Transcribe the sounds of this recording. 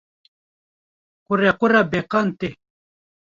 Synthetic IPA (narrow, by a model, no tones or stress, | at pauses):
quɾequɾabeqant̪e